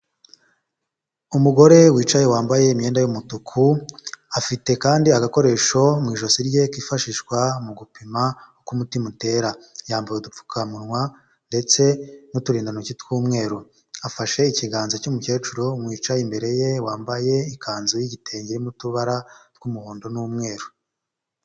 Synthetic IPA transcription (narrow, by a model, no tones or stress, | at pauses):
umuɡo̞ɾe̞wiːt͡ʃaje̞waːmbaje̞imje̞ːndajumutukʰuafite̞kaːndiaɡako̞ɾe̞ːʃo̞mŋiːʒo̞siɾje̞kiːfaʃiʃkwamuɡupima | kumutimute̞ɾajaːmbajodup͡fu̥kʰamunŋwa | nde̞t͡se̞nutuɾiːndanocitkuːmŋe̞ːɾo | afaʃe̞iciɡaːnzocumuce̞ːt͡ʃuɾomwiːt͡ʃaimbe̞ɾe̞je̞waːmbaje̞ikaːnzojiɟite̞ːɲɟemutuβaɾatkumuβoːndo̞numŋe̞ːɾo